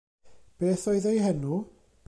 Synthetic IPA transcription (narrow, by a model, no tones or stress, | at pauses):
b̥eːθoɨðejɦənu